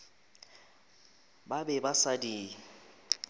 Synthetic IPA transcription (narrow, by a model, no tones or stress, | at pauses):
babɛbasadiː